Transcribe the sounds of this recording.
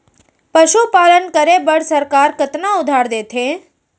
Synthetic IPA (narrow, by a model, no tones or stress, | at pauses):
pəʃupalənkəɾebəɽsəɾkaɾkət̪naʊd̪ʱaɾd̪et̪ʰe